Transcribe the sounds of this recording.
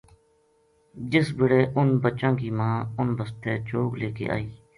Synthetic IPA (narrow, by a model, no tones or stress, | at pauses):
d͡ʒɪsbɪɽeːʔʊnbət͡ʃːãːkiːmãːʊnbəst̪eːt͡ʃoːɡleːkḛːʔa̰ːiː